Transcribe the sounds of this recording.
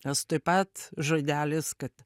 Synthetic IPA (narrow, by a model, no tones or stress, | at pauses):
nʲɛst̪oɪpɐt̪ʒoːd̪ʲæːlʲɪskɐt̪